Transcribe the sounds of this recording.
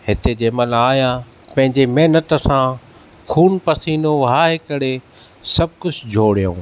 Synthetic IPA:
ɦɪt̪ed͡ʑeːməlaːjã | pɐ̃ɦɪ̃ɲd͡ʑemɛɦnət̪̆sã | kʰuːnpɐsiːnoʋɦaːɦekɐɽe | sɐb̚ʱkʊd͡ʑd͡ʑʱoːɽijõ̰ː

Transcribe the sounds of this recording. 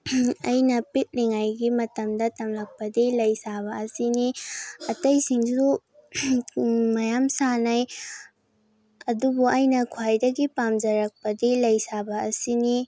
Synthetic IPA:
ɐjnɐpit̚liŋajɡimɐtɐmdɐtɐmlɐk̚pɐdilɐjsaβɐɐsiniɐtɐjsiŋsu | mɐjamsanɐj | ɐdubuʔɐjnɐkʰwajdɐɡipamd͡ʒɐɾɐk̚pɐdilɐjsabɐːsini

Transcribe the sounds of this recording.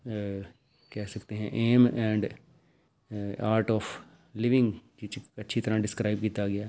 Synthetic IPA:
kɛːsəkt̪eːɦɛ̃ːʔeːmɛ̃ːɳɖ | aːɾʈɔːpʰ | lɪʋɪŋɡd͡ʒɪt͡ʃətːʃʰiːt̪əɾãːɖɪskɾaːibkiːt̪aɡɪaː

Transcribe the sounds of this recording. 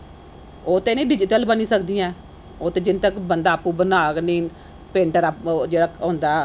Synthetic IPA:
oːt̪eːnĩːɖɪd͡ʒɪʈəlbəniːsəkd̪ijãː | oːt̪eːd͡ʒɪnt̪əkbənd̪aːpːũːbənaːknĩː | pẽːɳʈəɾad͡ʒeːɽaːɦõːnd̪aː

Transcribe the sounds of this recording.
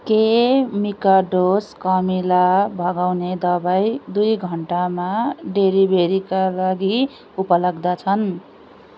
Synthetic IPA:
kemikaɖoskʌmilabʱʌɡawned̪ʌbajd̪ujɡʱʌɳʈamaɖeɾibʱeɾikalaɡi | upʌlʌɡd̪at͡sʰʌn

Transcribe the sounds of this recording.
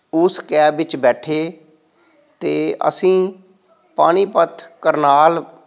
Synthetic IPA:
ʊskɛːbʋɪt͡ʃbɛːʈʰeː | t̪eːə̰sĩː | paːɽ̃iːpət̪ʰkəɾnaːl

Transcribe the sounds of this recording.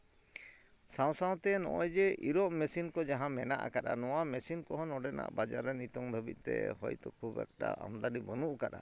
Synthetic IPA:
sãw̃sãw̃t̪ɛnɔ̰ʔɔjd͡ʒɛʔiɾɔʔmɛsinkɔd͡ʒaɦãmɛnaʔa̰kaɗanɔwamɛsinkɔɦɔnɔɖɛna̰ʔbad͡ʒaɾɛnit̪ɔŋd̪ʱəbit̪̚ˀt̪ɛ̰ɦɔjt̪ɔkʰubɛ̰k̚ʈa̰ʔa̰md̪aɾibɔnuʔkaɗa̰

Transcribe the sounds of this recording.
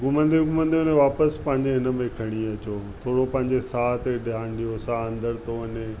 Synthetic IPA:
ɡʊmə̃nd̪eɡʊmə̃nd̪ionẽʋaːpəspɐ̃ɦɪɲd͡ʑeɦɪnə̆mẽkʰɐɽ̃iɐt͡ɕot̪ʰoːɽopɐ̃ɦɪ̃ɲd͡ʑesaːt̪eɗjaːnɖijosaːɐ̃nd̪əɾt̪oɐɲe

